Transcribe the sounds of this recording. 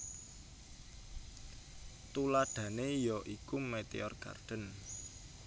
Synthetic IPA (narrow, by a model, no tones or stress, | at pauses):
t̪ulaɖ̥ä̤nejɔʔikumet̪ḛɔrɡ̥a̰rɖ̪̥ə̤n